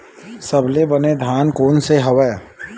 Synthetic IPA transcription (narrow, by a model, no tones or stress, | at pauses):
sɐbʱlebɐned̪ʱaːnkoːnseɦɐʋɛː